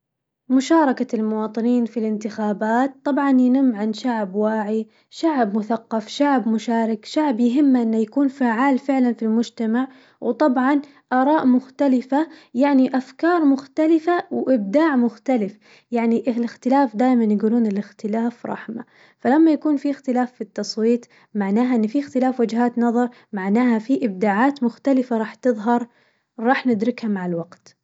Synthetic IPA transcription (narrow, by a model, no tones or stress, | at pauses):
mʊʃɑːɾˤɑkaɪlmʊwɑːt̪ˤɨniːnfilɪnt̪ɪxaːbaːt̪̚t̪ˤːɑbʕɑnjɪnɪmːʕanʃaʕbwaːʕi | ʃaʕbmʊθaqːɑfʃaʕbmʊʃaːɾɪkʃaʕbjɪɦɪmːʔɪnːajakuːnfaːʕaːlfɪʕlanfilmʊd͡ʒt̪amaʕ | wt̪ˤɑbʕɑn | ʔɑːɾˤɑːʔmʊxt̪alɪfajaʕniʔafkɑːɾˤmʊxt̪alɪfawʔɪb̚d̪aːʕmʊxt̪alɪf | jaʕniʔlɪxt̪ɪlaːfd̪aːjmanjaɡuːluːnɪlɪxt̪ɪlaːfɾˤɑ̰ħma | falamːajakuːnfiɪxt̪ɪlaːfːit̪ːɑsˤwiːt̪ˤ | maʕnaːɦaʔɪnːfixt̪ɪlaːfwad͡ʒɦaːt̪nɑðˤɑɾˤ | maʕnaːhafiʔɪb̚d̪aːʕaːt̪mʊxt̪alɪfaɾˤɑːħt̪ɨðˤɦɑɾˤ | ɾˤɑːħnɪd̪ɾɪkhamaʕalwaɡt̪